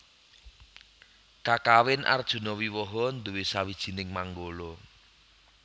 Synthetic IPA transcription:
kakawɪnʔa̰rd̥ʒ̥ṳnɔwiwɔɦɔnd̪uwesawid̥ʒ̥i̤nɪŋmaŋɡolɔ

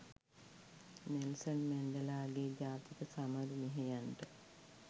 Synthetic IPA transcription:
nelsənmænɖəlaːɡeɟaːt̪it̪əsaməɾumeɦejanʈə

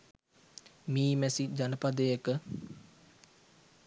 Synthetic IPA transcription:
miːmɛsid͡ʒanəpad̪əjekə

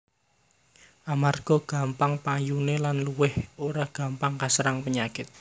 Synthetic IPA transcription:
ʔamarɡ̥ɔ̤ɡ̥a̤mpaŋpajunelanluwɪhoɾaɡ̥a̤mpaŋkasɾaŋpəɲakɪt̪̚

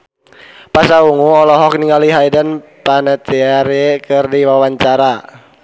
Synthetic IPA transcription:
pasauŋuɔlɔɦɔk̚niŋaliɦaidənpanat̪iaɾɛkɨrdiwawaɲt͡ʃaɾa

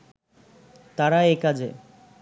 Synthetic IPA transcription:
t̪aɾaekad͡ʑʱe

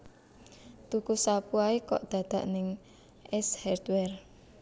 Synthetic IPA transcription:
t̪ukusapuaekɔ̰ʔd̪̥ä̤d̪̥a̤ʔnɪŋ | ʔɛshard̪wɛr

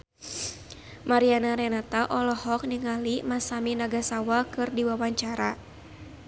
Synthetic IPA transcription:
maɾianaɾɛnat̪aʔɔlɔhɔk̚niŋalimasaminaɡasawakɨrdiwawaɲt͡ʃaɾa

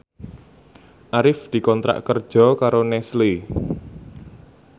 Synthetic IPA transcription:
ʔaɾɪfd̪̥i̤kɔnt̪ɾa̰ʔkərd̥ʒ̥ɔ̤kaɾonɛsle

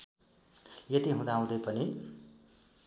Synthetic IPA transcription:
jʌt̪iɦũd̪aũd̪ʌjpʌni

